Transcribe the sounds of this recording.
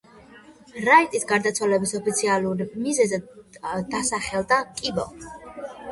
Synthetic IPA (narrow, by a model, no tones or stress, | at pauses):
ɾait̪ʼisɡaɾd̪at̪sʰwalɛbisɔpʰit̪sʰialˠuɾmizɛzɛd̪asaχɛlˠd̪akʼibɔ̰